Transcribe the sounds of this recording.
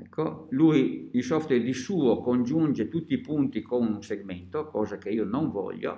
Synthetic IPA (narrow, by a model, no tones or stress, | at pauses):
ɛkʰːolujilsɔft̪wɛrd̪isuːokond͡ʒund͡ʒet̪ut̪ːiːpunt̪ikonuŋseɡment̪okɔːzakeiːonoɱvɔ̰ʎːo̰